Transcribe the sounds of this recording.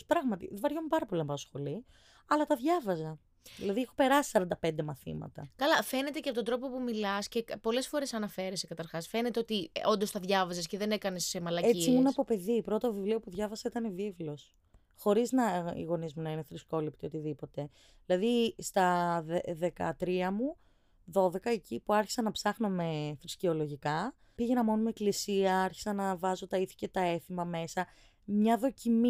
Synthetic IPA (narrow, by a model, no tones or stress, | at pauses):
spɾɐɣmɐt̪ḭvɐɾʝompɐɾɐpo̞linɐpɐt̪osxo̞li | ɐlɐt̪ɐðʝɐvɐzɐ | ðilɐðiexope̞ɾɐsi̥sɐɾɐnd̪ɐpe̞nd̪e̞mɐθḭmɐ̰t̪ɐkɐlɐfe̞ne̞t̪e̞ceɐpot̪od̪ɾo̞po̞pumilɐsce̞po̞le̞sfo̞ɾe̞sɐnɐfe̞ɾesekɐt̪ɐɾxɐsfe̞ne̞t̪e̞o̞t̪io̞nd̪o̞st̪ɐðʝɐvɐzɐsce̞ðe̞ne̞kɐne̞semɐlɐesiiimunɐpo̞pe̞ðipɾot̪ovivlio̞puðʝɐvɐsɐit̪ɐnevivlo̞s | xo̞ɾiznɐḭɣo̞nizmunɐineθɾisko̞lip̚t̪io̞t̪iðipo̞t̪e̞ | ðilɐðist̪ɐðeðe̞kɐt̪ɾiɐmu | ðo̞ðe̞kɐecipuɐɾçi̥sɐnɐpsɐxnome̞fɾiscio̞lo̞ʝikɐ | piʝe̞nɐmo̞numeeklisiɐɐɾçi̥sɐnɐvɐzo̞t̪ɐiθi̥ce̞t̪ɐe̞θimɐme̞sɐ | mɲɐðo̞cimi